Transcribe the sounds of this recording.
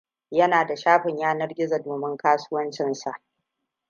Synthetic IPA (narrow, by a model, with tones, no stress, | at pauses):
jɐ˦naː˨da˨ʃaː˦ɸɪ˨ɲjaː˦nɐ˦rɡʲɪ˦za˨doː˨mɪ˦ŋkaː˦suː˦wɐ˦nt͡ʃɪ˦˨nsa˨ʔ